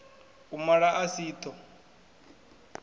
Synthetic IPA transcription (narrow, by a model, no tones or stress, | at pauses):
umaɺaʔasiːt̪ʰɔ